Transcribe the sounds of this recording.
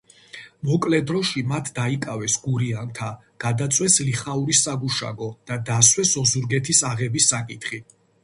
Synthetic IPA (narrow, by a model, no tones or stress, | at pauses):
mɔkʼlɛd̪ɾɔʃimat̪ʰd̪aikʼavɛsɡuɾiant̪ʰa | ɡ̥ad̪at̪sʼwɛsliχauɾisaɡuʃa̰ɡɔd̪̥ad̪aswɛsɔzuɾɡɛt̪ʰisaʁɛbisːakʼit̪ʰχi